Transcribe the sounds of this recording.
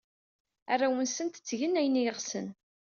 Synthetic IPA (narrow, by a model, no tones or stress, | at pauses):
ærːawənsənt̪ə̥t͡sːʝənːæjnijəʁsən